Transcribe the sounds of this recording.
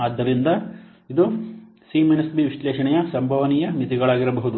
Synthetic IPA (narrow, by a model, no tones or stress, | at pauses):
aːd̪ːɐɾind̪ɐ | id̪u | simenɐsbiʋiʂlɛːʃɐɳɛjɐsɐmbʱɐʋɐniːjɐmit̪iɡɐɭaːɡiɾɐbɐɦud̪u